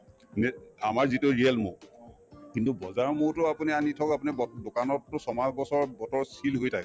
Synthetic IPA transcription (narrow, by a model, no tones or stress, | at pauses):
nɛamaɹzitʊɹiɛlmo̰ | kintubɔzaɹmoɹtʊapunianitʰɔkapunibdokanɔtːʊsɔmazbɔsɔɹbɔtɔɹsilɦojtʰak